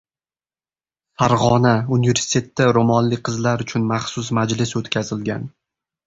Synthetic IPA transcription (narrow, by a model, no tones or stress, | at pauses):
haɾʁɒnaunɪve̞ɾsi̥t̪ʰe̞t̪ʰːaɾomɒnlɪk̚ʲqʰɨzlaɾʊt͡ʃʰʊnmaχsʊs̬mad͡ʒlɪsot̪kʲʰazɪlɡʲan